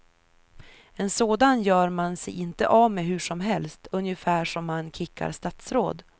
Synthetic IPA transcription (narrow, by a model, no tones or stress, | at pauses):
ɛnsoːd̪anjœːɾmansɛjɪnt̪ə̰ʔavmeːɦɵ̟ʂɔmɦɛlst̪ɵnjəfæːʂɔmːankʰɪkːa̰ɾʂt̪at̪sɾo̰ːd̪